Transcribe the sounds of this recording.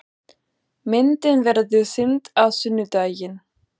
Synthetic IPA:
mɪnt̪ɪnvɛɾðʏsɪnt̪awsʏnːʏt̪aːjjɪn

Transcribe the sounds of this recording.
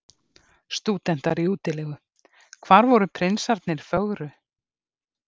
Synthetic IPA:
st̪uːt̪ɛn̥t̪aɾiuːt̪ɪlɛːɣʏ | kʰvaːɾvɔɾʏpʰɾɪnsaɾt̪nɪɾ̥fœɣɾʏ

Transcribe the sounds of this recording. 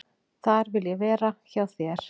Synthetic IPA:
θaɾvɪljɛvɛːɾaçawθjɛɾ̥

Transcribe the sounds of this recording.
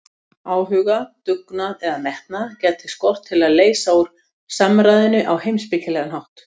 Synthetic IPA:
aːwɦʏɣat̪ʏknaɛðamɛht̪̚nacɛːt̪ʰɪskɔr̥t̪ʰːɪlaðleːjsauɾ̥ | samɾajðɪnʏʔawhejmspɪcɪlɛɣanɦawht̪

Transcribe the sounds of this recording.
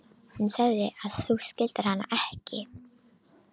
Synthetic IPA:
hʏnsɛɣðɪʔaðθuscɪlt̪ɪɾ̥hanːa̰ʔɛhcɪ

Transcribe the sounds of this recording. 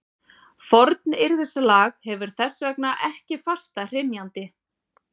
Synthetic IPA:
fɔɾt̪̚nɪɾðɛsalaːɣhɛvʏɾ̥θɛsːvɛknaʔɛhcɪfast̪ar̥ɪnjant̪ɪ

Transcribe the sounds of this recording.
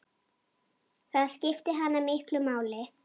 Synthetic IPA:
θaðscɪft̪ɪɦanːamɪhklʏmaːwlɪ

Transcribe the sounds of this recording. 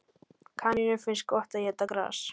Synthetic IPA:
kʰaninɪfɪns̚kɔht̪ajɛt̪akɾa̰ːs

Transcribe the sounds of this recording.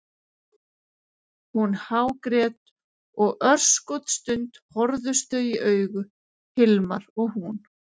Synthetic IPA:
hunhaːwkɾɛːt̪ | ɔɣʔœr̥skɔwt̪st̪ʏnt̪hɔɾðʏst̪œːɥiʔœːɥɣʏ | hɪlmaɾɔɣhun

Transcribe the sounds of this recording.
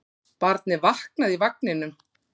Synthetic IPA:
paɾt̪nɪvahknaðivaknɪnʏm

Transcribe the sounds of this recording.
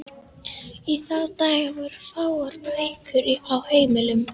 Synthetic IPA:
iθaðt̪aːjvʏɾfawaɾvejkʰʏɾiawheːjmɪlʏm

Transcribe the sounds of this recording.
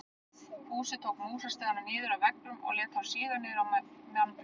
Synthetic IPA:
huːsɪt̪ʰowkmuːsast̪aːðananɪːðʏɾawvɛknʏmɔ̰ɣlɛːt̪hawsiːðanɪɾawmnan

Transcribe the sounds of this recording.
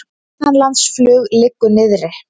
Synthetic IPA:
hanlant̪sflʏːɣlɪkːʏnɪðɾɪ

